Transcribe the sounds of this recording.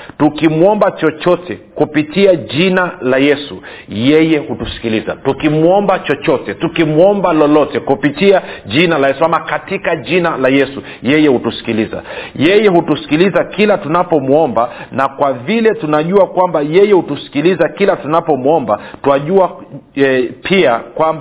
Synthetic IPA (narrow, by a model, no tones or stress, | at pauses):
tukimuɔmbat͡ʃɔt͡ʃɔtʰɛkupitiaʄinalajɛsṵ | jɛjɛhutusi̥kiliza̰tukimuɔmbat͡ʃɔt͡ʃɔtɛtukimuɔmbalɔlɔtɛkupitiaʄinalajɛsuamakatikaʄinalajɛsu | jɛjɛhutusi̥kiliza̰jɛjɛhutusi̥kilizakilatunapɔmuɔmbanakwavilɛtunaʄuakwambajɛjɛhutusi̥kilizakilatunapɔmuɔmbatuaʄuaɛpʰiakwam